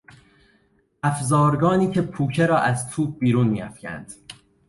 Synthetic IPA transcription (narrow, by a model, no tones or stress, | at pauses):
ʔæfzɒːɾɡɒːniːcʰe̞pʰuːcʰeɾɒːʔæzt̪ʰuːb̚biːɾuːnmiːæfcʰæ̰nd̪̥